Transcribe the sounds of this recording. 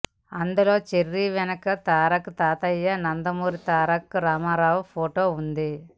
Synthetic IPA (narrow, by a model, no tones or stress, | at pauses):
ɐnd̪ulo̞ːt͡ʃeɾːiʋɛnɐkɐt̪aːɾɐkt̪aːt̪ɐjːɐnɐnd̪ɐmuːɾit̪aːɾɐkːɾaːmaːɾaːwpʰoːʈo̞ːund̪i